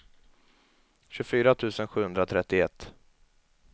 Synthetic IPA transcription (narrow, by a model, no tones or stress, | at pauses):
ɕɵfyːɾat̪ʰʉ̟ːsənɧʉːhɵnd̪ɾat̪ʰɾɛt̪ːɪɛt̪ː